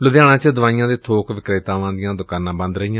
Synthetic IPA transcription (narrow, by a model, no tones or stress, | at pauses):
lʊʋjaːɽ̃ãːt͡ʃəd̪ʊʋaːijãːd̪eːt̪ʰoːkʋɪkɾɪt̪ãːʋãːd̪ɪjãːd̪ʊkaːnãːbə̃nd̪ɾəijãː